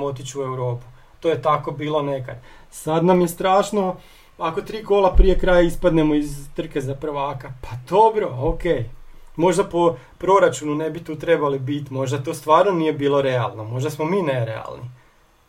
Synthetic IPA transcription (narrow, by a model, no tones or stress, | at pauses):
o̞t̪it͡ɕuuewɾo̞ːpu̥ | t̪ojet̪ako̞biːlo̞ne̞ka̰d̪ | sad̪namjest̪ɾaːʃno̞ | ako̞t̪ɾiːko̞lˠapɾije̞kɾaːjaispad̪ne̞mo̞izt̪r̩ke̞zapɾʋaːkapad̪̥o̞bɾo̞okeːjmo̞ʒd̪apo | pɾo̞ɾat͡ʃununebit̪uːt̪ɾe̞balibit̪imo̞ʒd̪at̪o̞ːst̪ʋaːɾno̞nije̞biːlˠo̞ɾe̞a̰lˠno̞mo̞ʒd̪asmomiːneɾḛa̰lˠni